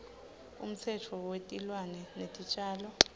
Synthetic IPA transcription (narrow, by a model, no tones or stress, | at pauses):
ṵm̩t͡sʰɛtʰɔwetʼilwanɛnetʼit͡ʃʼaːlɔ